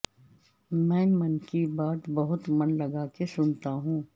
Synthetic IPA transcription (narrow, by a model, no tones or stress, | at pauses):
mɛ̃ːmɐnkibaːt̪bɐɦʊt̪mɐnlɐɡaːkesʊnt̪aɦũː